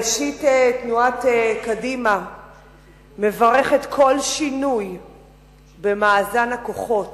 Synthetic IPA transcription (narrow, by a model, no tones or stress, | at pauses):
ʃitetnuatekadima | me̞vaʁeχetkʰo̞lʃinuj | bemaːzanako̞χo̞t